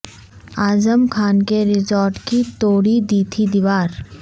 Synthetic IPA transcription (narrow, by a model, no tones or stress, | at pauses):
aːzəmkʰaːnkeɾɪzɔːɾʈkit̪oːɽid̪iːt̪ʰid̪ɪʋaːɾ